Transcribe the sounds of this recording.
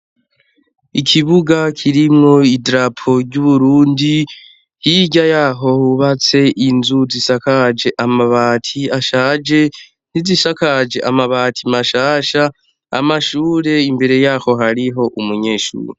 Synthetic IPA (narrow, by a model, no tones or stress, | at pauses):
ikʰiβuɡakʰiɾimŋo̞idɾapʰo̞ɾɟuβuɾuːndi | hiɟajaːɦo̞huβat͡se̞ʔinzuzisakad͡ʒe̞ʔamaβaːtʰiaʃaːd͡ʒe̞ | n̥izisakad͡ʒe̞ʔamaβaːtʰimaʃaːʃa̰ː | maʃuːɾe̞imbe̞ɾe̞jaːho̞ɦaɾiɦo̞ʔumuɲe̞ːʃṵːɾe